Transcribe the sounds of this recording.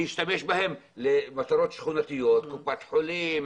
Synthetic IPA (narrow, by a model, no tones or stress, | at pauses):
jɪʃt̪ameʃbɪhɪmlɪmat̪ɑɾˤoːt̪ʃxunat̪ɪjːot̪kʊpːaːt̪ħʊliːm